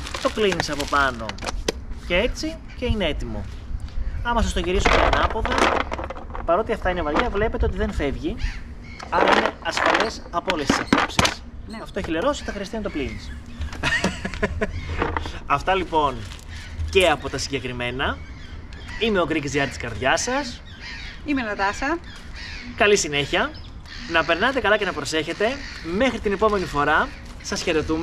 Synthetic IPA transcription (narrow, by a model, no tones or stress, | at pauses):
t̪o̞klinisɐpo̞pɐno̞̰ | ce̞e̞t͡si | ce̞ine̞e̞t̪imo̞̰ | ɐmɐsɐst̪oʝiɾisumeɐnɐpoðe | pɐɾo̞t̪iɐft̪ɐinevɐlʝɐvle̞pet̪eo̞t̪iðe̞nfe̞vʝi | ɐnine̞ɐsfɐle̞sɐpoolest̪i̥sɐpo̞psis | ɐft̪oeçileɾo̞si̥t̪ɐxɾiɐst̪iɐnɐt̪olinis | ɐft̪ɐlipo̞n | ce̞ɐpo̞t̪ɐsiɲɟe̞kɾime̞nɐ | ime̞o̞kɾikzðiɐɾt̪i̥skɐɾðʝɐsɐs | imenɐt̪ɐsɐ | kɐlisine̞çiɐ | nɐpe̞ɾnɐt̪e̞kɐlɐce̞nɐpɾo̞se̞çe̞t̪e̞me̞xɾit̪ine̞po̞me̞nifo̞ɾɐ | sɐsçe̞ɾe̞t̪ume